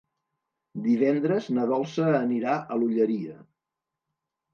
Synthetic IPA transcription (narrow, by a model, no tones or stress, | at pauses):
d̪iβ̞ɛnd̪ɾəznəðɔlˠsəːniɾaəluʎəɾiə